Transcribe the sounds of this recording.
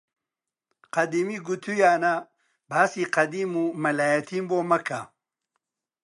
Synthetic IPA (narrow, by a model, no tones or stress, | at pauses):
qɐd̪imiɡut̪ʰujaːna | bʱaːsiqɐd̪iːmumɐlaːjɐt̪ʰimboːmɐkʰa